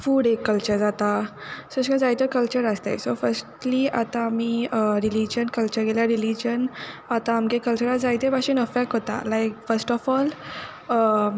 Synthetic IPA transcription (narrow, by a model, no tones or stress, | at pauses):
fuːɽekːəlt͡ɕəɾd͡zat̪asəskə̃d͡zajt̪əkəlt͡ɕəɾast̪a̰jsofəɾsʈliat̪ãːmiəɾilid͡ʑənkəlt͡ɕəɾɡeljaɾilid͡ʑənat̪ãːmkekəlt͡ɕəɾad͡zajt̪ebaɕinəfɛk̚ʈɦot̪a̰lajkfəɾsʈɔfɔl | ə